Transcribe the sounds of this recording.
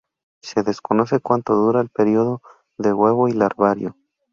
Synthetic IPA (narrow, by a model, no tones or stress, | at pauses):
se̞ðe̞sko̞no̞se̞kwant̪o̞ðuɾaelpeɾio̞ðo̞ | ðe̞ɣwe̞βo̞ilaɾβaɾjo̞